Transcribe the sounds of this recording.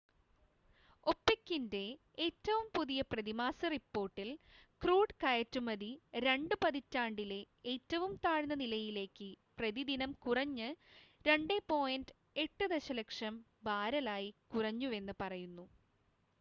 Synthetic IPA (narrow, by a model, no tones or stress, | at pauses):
o̞pːekːinde̞ | eːtːɐʋumpuðijɐprɐðimaːsɐripːo̞ːrʈːilkruːɖkɐjɐtːumɐðiɾe̞ɳɖɨpɐðitːaːɳɖile̞ | eːtːɐʋumt̪aːɻɨnːɐnilɐjile̞ːkːɨprɐðid̪inɐmkurɐɲːɨɾeɳɖepo̞ːjindɨ | e̞ʈːɨd̪eɕɐlekʂɐm | baːɾɐlaːjikurɐɲːuʋe̞nːɨpɐrɐjunːu